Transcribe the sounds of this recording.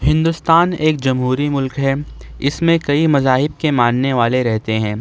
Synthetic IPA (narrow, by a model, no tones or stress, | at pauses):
hɪ̃nd̪ʊst̪aːneːkd͡ʒɐmɦuːɾimʊlkɦɛ | ɪsmẽkɐimɐzaːɦɪb̚kemaːnneʋaːleɾɛɦt̪eɦɛ̃ː